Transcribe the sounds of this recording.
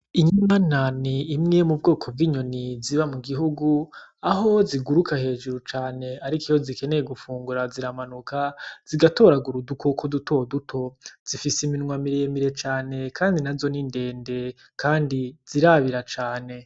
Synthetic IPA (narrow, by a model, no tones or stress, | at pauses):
iɲimananiːmŋemub̚ɡo̞ːkʰo̞b̚ɡiːɲo̞niziβamuɡiɦuɡuaɦo̞ziɡuɾukʰahe̞ːʒuɾut͡ʃaːne̞aɾikijo̞zike̞ne̞je̞ɡufuːŋɡuɾaziɾamanukaz̥iɡato̞ɾaɡuɾudukokʰoduto̞dutʰo̞z̥ifisiminŋwamiɾeːmiɾe̞t͡ʃaːne̞kʰaːndinazo̞ninde̞ːnde̞ | kʰaːndiz̥iɾaβiɾat͡ʃaːne̞